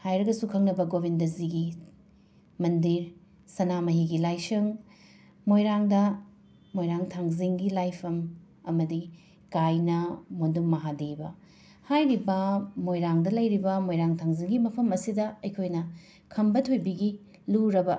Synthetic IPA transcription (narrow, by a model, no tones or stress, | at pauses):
hajɾɐɡɐsukʰɐŋnɐbɐɡobindɐziɡi | mɐndiɾ | sɐnamɐɦiɡilajsɐŋ | mojɾaŋdɐ | mojɾaŋtʰaŋziŋɡilajpʰɐm | ɐmɐdi | kajnɐmonduŋmɐɦadebɐ | hajɾibɐmojɾaŋdɐlɐjɾibɐmojɾaŋtʰaŋziŋɡimɐpʰɐmɐsidɐɐjkʰojnɐ | kʰɐmbɐtʰojbiɡi | luɾɐbɐ